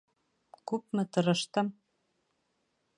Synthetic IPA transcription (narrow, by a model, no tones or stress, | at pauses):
kup̚mɘ̆t̪ɤ̆ɾɤ̆ʃt̪ɤ̆m